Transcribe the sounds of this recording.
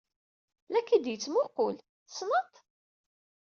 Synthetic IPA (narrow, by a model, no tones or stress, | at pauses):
lækːid̪jət͡sːmʊqʊl | snət̪ˤ